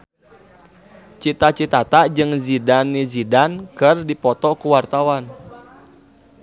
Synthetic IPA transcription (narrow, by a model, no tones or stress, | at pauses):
t͡ʃit̪at͡ʃit̪at̪ad͡ʒɨŋzidanːizidankərdipɔt̪ɔkuwart̪awan